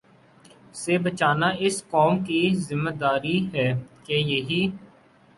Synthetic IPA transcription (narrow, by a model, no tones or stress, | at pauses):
sebət͡ʃaːnaɪskɔːmkizɪmːeːd̪aːɾiɦɛːkejeɦiː